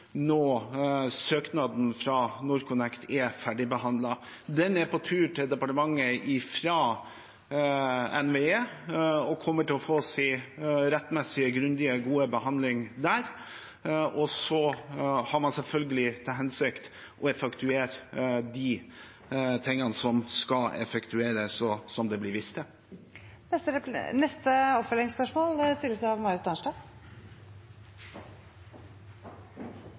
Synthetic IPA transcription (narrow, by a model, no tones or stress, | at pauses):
nɔ | søːknɑd̪n̩fɾɑnʊɾkʊnɛkt̪ʰɛfæɖɪbəhɑnd̪lɑd̪ɛnɛpɔt̪ʰʉːʈʰɪld̪ɛpɑʈəmɑŋːəɪfɾɑ | ɛnʋeeːɔkʰɔmːəʈɪlɔfoːsɪɾɛt̪ːmɛsɪəɡɾʉnd̪ɪəɡuːəbəhɑnd̪lɪŋd̪æːɾ | ʔɔsɔhɑɾmɑnsɛlfœlɡəlɪt̪ʰɪlɦɛnsɪkt̪ | ʔɔɛfɑkt̪ʉeːɾd̪i | t̪ʰɛŋːənəsɔmskɑlɛ̰fɛkt̪ʰʉeːɾəsɔsɔmd̪ɛblɪɾʋɪst̪ə | nɛnɛst̪əɔpfœlɪŋspœʂmoːlst̪ɪlːəsɑʋmɑɾɪt̪ːɑːnʂʈɑ